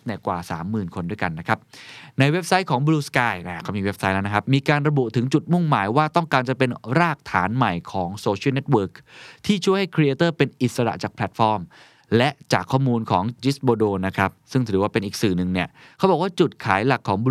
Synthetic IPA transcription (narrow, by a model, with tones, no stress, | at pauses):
nɛ˥˩kwaː˨˩sa̰ː˩˦mːɯː˨˩nkʰo˧ndu˥˩jka˧nːa˦˥kʰa˦˥p̚na˧jwe˦˥p̚sa˦˥jkʰɔː˩˦ŋbuː˧˥skaː˧˩jnɛ˧˩kʰa˦˥˩miː˧we˦˥p̚sa˦˥jnɛ˦˥na˥a˦˥p̚miː˧kaː˧nɾa˧bu˨˩ʔt̪ʰɯ˩˦ŋt͡ɕu˨˩t̪̚mu˥˩ŋmaː˩˦jwaː˥˩t̪ɔ˥˩ŋkaː˧nt͡ɕa˨˩pe˧nɾaː˥˩k̚t̪ʰaː˩˦nma˨˩jkʰɔː˩˦ŋsoː˧t͡ɕʰi˥˩ne˦˥t̪̚wɤː˦˥k̚t̪ʰiː˥˩t͡ɕʰu˥˩jha˥˩jkʰɾi˧ʔeː˧t̪ɤː˥˩pe˧nʔi˨˩t̪̚sa˧ɾa̰˨˩t͡ɕaː˨˩k̚pʰlɛ˨˩t̪̚fɔː˧m | lɛ˦˥ʔt͡ɕaː˨˩kʰːɔː˥˩muː˧nkʰɔː˩˦ŋt͡ɕi˦˥sboː˧doː˧na˦˥kʰɾa˦˥p̚sɯ˥˩ŋt̪ʰɯː˩˦waː˥˩pe˧nʔiː˨˩k̚sɯː˨˩nɯ˨˩ŋni˥˩ɐkʰa˦˥wbɔː˨˩kwaː˥˩t͡ɕu˨˩t̪̚kʰaː˨˩˦jla˨˩kʰːɔː˩˦ŋb